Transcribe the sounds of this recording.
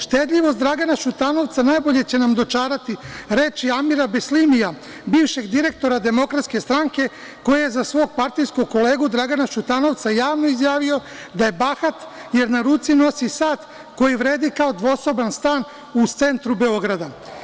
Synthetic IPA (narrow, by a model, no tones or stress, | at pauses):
ʃt̪e̞d̪ʎʲiʋo̞st̪d̪ɾaɡanaʃut̪ano̞ʋt̪sanaːjbo̞ʎe̞t͡ɕe̞namd̪o̞t͡ʃaːɾat̪iɾe̞ːt͡ʃiamiɾabeslimija | biːʋʃe̞ɡd̪iɾe̞k̚t̪o̞ɾad̪e̞mo̞kɾat̪ske̞st̪ɾaŋke̞ | ko̞jejezasʋo̞ːɡ̚paɾt̪ijskoɡ̚ko̞le̞ːɡud̪ɾaɡanaʃut̪ano̞ʋt̪sajaːʋno̞izjaːʋio | d̪aje̞baxat̪je̞ɾnaɾut̪sino̞sisaːt̪ | ko̞jiʋɾe̞ːd̪ikao̞d̪ʋo̞so̞banst̪aːn | ut̪se̞nt̪ɾube̞o̞ɡɾad̪a